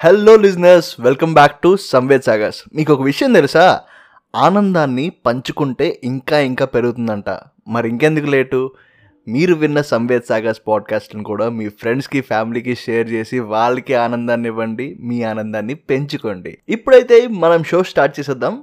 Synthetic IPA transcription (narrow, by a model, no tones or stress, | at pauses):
helːoːlis̬nɐɾsʋelkɐmbaːk̚ʈusɐmʋeːd̪saːɡaːsmiːkɔkɐʋiʂɐjɐmt̪elisaː | aːnɐnd̪aːnːipɐɲt͡ʃukuɳʈe̞ːʔiŋkaːiŋkaːpe̞ɾuɡut̪und̪ɐɳʈa̰ː | mɐɾiiŋke̞nd̪ukule̞ːʈu | miːɾuʋinːɐsɐmʋeːd̪saːɡaspaːɖ̚kaːsʈɐnikuːɽaːmiːpʰɾe̞ɳɖskipʰaːmilikiʂeːɐɾt͡ʃe̞ːsiʋaːɭːɐkiaːnɐnd̪aːnːiʋɐɳɖimiːaːnɐnd̪aːnːipe̞ɲt͡ʃukoɳɖḭipːuɽɐjt̪e̞ːmɐnɐmʃo̞ːsʈaːɾʈ̚t͡ʃeːsɐd̪ːaːm